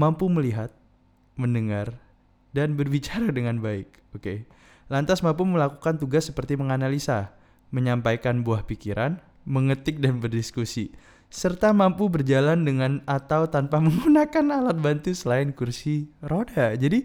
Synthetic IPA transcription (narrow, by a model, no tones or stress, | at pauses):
mampuməliɦat̪̚ | məndəŋar | danbərbit͡ʃaɾadəŋanbaɪk̚ | oke | lant̪asmampuməlakukant̪uɡasːəpərt̪iməŋanalisa | məɲampajkanbuahpikiɾʔan | məŋət̪ɪk̚danbərdiskusi | sərt̪amampubərd͡ʒalandəŋanat̪awt̪anpaməŋɡunakanalat̪̚bant̪usəlaɪnkursiɾodad͡ʒadi